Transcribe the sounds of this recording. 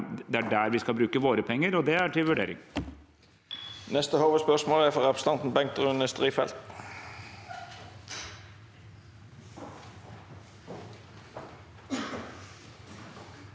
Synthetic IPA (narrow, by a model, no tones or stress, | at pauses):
d̪ɛæɖæɾʋɪskɑlbɾʉːkəʋoːɾəpʰɛŋːəɾɔd̪ɛæʈʰɪlʋʉɖḛːɾɪ̰ŋ | nɛst̪əhoːʋəspœʁsmoːlæfɔʁɑpst̪ɑnt̪n̩bɛŋk̚t̪əʁʉnəst̪ʁiːfɛlt̪